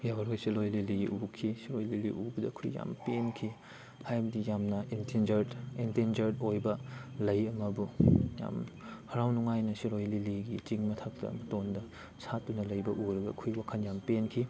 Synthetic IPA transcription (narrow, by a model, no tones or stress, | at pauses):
jabɐɾojsilojliliɡḭʔukʰisiɾojliliʔubɐdɐkʰṵjja̰mpenkʰi | hajbɐdijamnɐentend͡ʒɐɾentend͡ʒɐɾdojbɐlɐjɐmɐbuja̰mhɐɾawnuŋajnɐsiɾojliliɡit͡ʃiŋmɐtʰɐk̚tɐ̰ːmɐtondɐ | satːunɐlɐjbɐʔuɾɐɡɐkʰujwakʰɐnjampenkʰi